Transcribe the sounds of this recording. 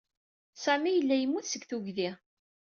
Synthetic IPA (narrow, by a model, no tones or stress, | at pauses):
sæmijəlːæjəmːuθsəɡθuʝðiʁ